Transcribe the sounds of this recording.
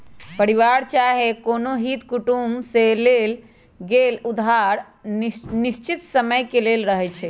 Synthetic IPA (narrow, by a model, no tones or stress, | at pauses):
pəɾiʋaɾt͡ʃaɦekonoɦit̪kuʈumselel | ɡelud̪ʱɦaɾ | nist͡ʃit̪səməjkelelɾəɦɛt͡ʃʰɛ